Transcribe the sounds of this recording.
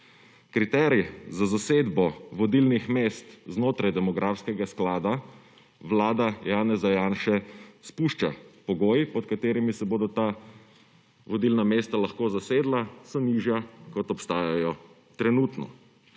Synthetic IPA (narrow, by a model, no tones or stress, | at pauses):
kɾit̪ɛːɾjizazaseːd̪bɔʋɔd̪ilnixmeːst̪znoːt̪ɾajd̪ɛmɔɡɾʔaːfskɛɡasklaːd̪a | ʋlaːd̪ajaːnɛzajaːnʃɛspuːʃt͡ʃapɔɡoːjipɔt̪kat̪eːɾimisɛboːd̪ɔt̪a | ʋɔd̪ilnameːst̪alaxkoːzaseːd̪lasɔniʒjakɔt̪ɔpst̪aːjajɔ | t̪ɾɛnuːt̪nɔ̰